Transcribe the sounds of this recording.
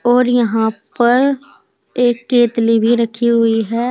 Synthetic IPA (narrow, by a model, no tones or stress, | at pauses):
ɔːɾjɐɦãpɐɾ | eːkːeːt̪libʱiɾɐkʰːiɦʊiɦɛː